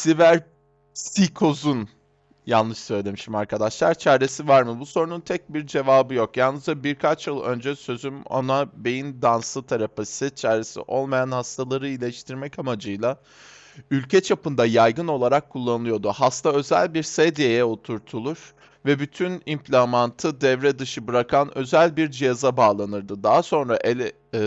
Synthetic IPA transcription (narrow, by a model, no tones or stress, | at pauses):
sivæɾ | sikʰo̞zun | janˠlˠɯʃsøjlʲed̪emiʃt̪imaɾkʰad̪aʃlˠaɾt͡ʃʰæɾe̞sivaɾmɯbuso̞ɾununt̪ʰɛc̚biɾd͡ʒe̞vaːbɯjo̞kjalnːɯzd͡ʒabiɾkʰat͡ʃjɯlˠø̞̰nd͡ʒɛsø̞zyma̰nabe̞jind̪ansɯt̪ʰaɾapasɯt͡ʃʰæɾesḭʔo̞lˠmajanhast̪ʰalˠaɾɯilʲɛʃt̪ʰiɾmɛcamad͡ʒɯjlˠa | ylʲcʰɛt͡ʃʰapɯnd̪ajajɡɯno̞lˠaɾakʰːulˠːanɯlɯjo̞d̪uɦast̪ʰaø̞zæ̰lʲbiɾsɛd̪ijejɛo̞t̪ʰuɾt̪ʰulˠuɾ̥ | vɛbyt̪ʰynimpʰlʲamant̪ʰɯd̪ɛvɾɛd̪ɯʃɯbɯɾakʰanø̞̰zælʲbiɾd͡ʒijazabaːlˠanɯɾd̪ɯd̪aɦaso̞nɾaʔelʲɛ